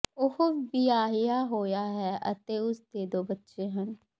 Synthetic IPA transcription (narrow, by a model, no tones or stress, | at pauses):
ʊhobɪjaːɦɪjaːɦoːjaːɦɛːʔə̰t̪eːʊsd̪eːd̪oːbətːʃeːɦən